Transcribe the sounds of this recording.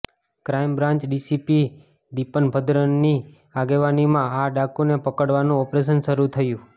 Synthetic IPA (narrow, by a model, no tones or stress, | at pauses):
kɾaimbɾãɲt͡ʃɖisipi | d̪ipənbʱəd̪ɾənːi | aɡeʋanimãaɖakunepəkəɽʋanũɔpɾeʃ̬ənʃəɾut̪ʰəjũ